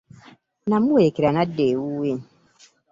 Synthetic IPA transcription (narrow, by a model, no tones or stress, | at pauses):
nãmuekiɾanadewuwen